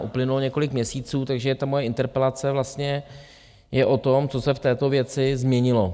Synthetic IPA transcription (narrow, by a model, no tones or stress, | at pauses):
ʔuplɪnulɲɛko̞lɪkmɲɛsiːt͡suːt̪aɡʒɛt̪amo̞jɛɪnt̪ɛɾpɛlat͡sɛvlast̪ɲɛ | jɛʔo̞t̪o̞mt͡so̞sɛft̪ɛːt̪o̞vjɛt͡sɪzmɲɛɲɪlo̞